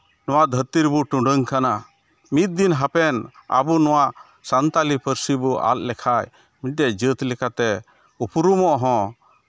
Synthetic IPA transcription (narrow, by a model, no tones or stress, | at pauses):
nɔwad̪ʱəɾt̪iɾbuʈuɖəŋkana | mit̪̚d̪inɦapɛna̰bunɔwaʔ | sant̪alipəɾsibuʔa̰llɛkʰaj | mit̚ɖɛd͡ʒət̪lɛkat̪ɛ | upuɾumɔʔɦɔ̃